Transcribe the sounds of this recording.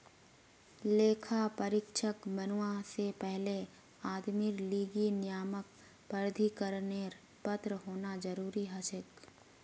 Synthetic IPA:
leːkʰapəɾɪkʃəkbɐnʊasepɛɦle | aːd̪mɪɾliːɡinɪjaːmək̚ | pəɾd̪ʱikəɾneːɾ | pət̪ɾɦoːnad͡ʒəɾuːɾiɦɐsɪk

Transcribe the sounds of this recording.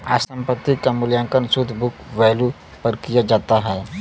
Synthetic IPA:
a̰sə̃mpət̪ːikamʊljãŋkənsud̪ʱbʊkʋɛːlu | pəɾkijad͡ʒaːt̪aɦɛː

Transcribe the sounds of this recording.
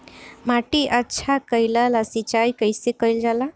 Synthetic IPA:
maʈiʔətːʃʰakəjlalasit͡ʃajkəjsekəjld͡ʒala

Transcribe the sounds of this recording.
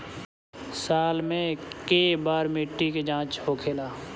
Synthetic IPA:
saːlmẽkeːbaːɾmiʈːiked͡ʒãːt͡ʃhoːkʰeːlaː

